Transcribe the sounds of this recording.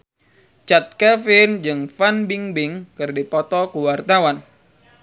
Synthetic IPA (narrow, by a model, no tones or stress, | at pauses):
t͡ʃat̪̚kɛfɪnd͡ʒɨŋfanbiŋbɪŋkɨrdipɔt̪ɔkuwart̪awan